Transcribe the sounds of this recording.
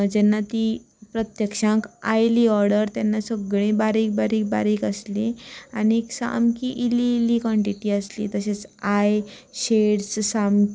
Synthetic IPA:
d͡ʑɛnːat̪i | pɾət̪jəkʂãka̰jliɔɾɽəɾt̪jɛnːasəɡɭẽbaɾik̚baɾiːk̚baɾiːkəslianiksa̰mkiʔiliːlikɔɳʈiʈiːəslḭt̪əset͡sajɕeɽssam

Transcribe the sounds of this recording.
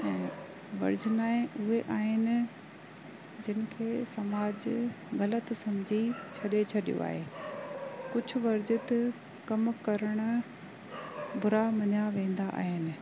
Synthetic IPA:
ɛ̃ː | ʋɐ̰ɾd͡ʑɪnaːẽʔʊɦeʔaːɦɪnɪ̆ | d͡ʑɪn̆kʰeːsɐmaːd͡ʑ | ɣɐlət̪sɐmd͡ʑʱit͡ɕʰɐɗet͡ɕʰɐɗijo̰a̰ːɦeː | kʊd͡ʑʱʊʋɐɾd͡ʑɪt̪ | kɐmkɐɾəɽ̃ʊ̆ | bʊɾamɐɲaʋẽːn̆d̪aʔa̰ːɦɪnɪ̆

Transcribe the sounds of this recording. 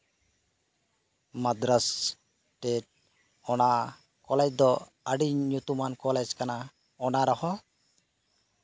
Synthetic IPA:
mad̪ɾas | ʈeʈ̚ | ɔna | kɔlɛd͡ʒd̪ɔ | əɖiɲut̪umankɔlɛd͡ʒkana | ɔnaɾɔhɔ

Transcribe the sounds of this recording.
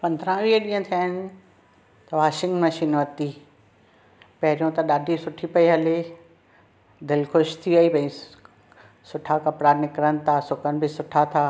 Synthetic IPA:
pɐ̃nd̪ʱɾãʋiːəɗĩːə̃t̪ʰijaːɪnɪ̆ | t̪ɐʋaːʃɪ̃ŋɡmɐʃiːnʋɐt̪i | pɐɦɪɾijõt̪ɐɗaːɖʱisʊʈʰipɐiɦɐle | d̪ɪlxʊʃt̪ʰiaibɐ̃ĩ | sʊʈʰakɐpɽanɪkɾən̆t̪ʰasʊkənɪ̆bʱɪsʊʈʰat̪ʰaː

